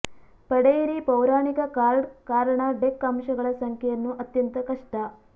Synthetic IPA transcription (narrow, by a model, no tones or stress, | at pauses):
pɐɽejiɾipɐwɾaːɳikɐkaːɾɖkaːɾɐɳɐɖekːɐmʂɐɡɐɭɐsɐŋkʰɐjɐnːuʔɐt̪jɐnt̪ɐkɐʂʈɐ